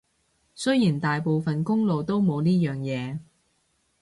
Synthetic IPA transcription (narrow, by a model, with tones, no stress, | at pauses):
sɵ˥jiː˨˩nt̪aː˨jpo˨wfɐ˨nkʊ˥ŋlo˨wt̪o˥wmo˨˧wniː˥jœː˨ŋjɛː˨˧